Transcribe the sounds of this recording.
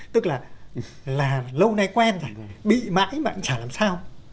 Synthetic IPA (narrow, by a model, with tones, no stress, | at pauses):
t̪ɨ˦˥k̚laː˨˩ | laː˨˩lə˧wna˧jkwɛ˧nzo˨˩jɓḭ˧˨ma̰ː˧˥jmaː˧˨ʔa̰˧˥ŋt͡ɕaː˧˩laː˨˩msaː˧w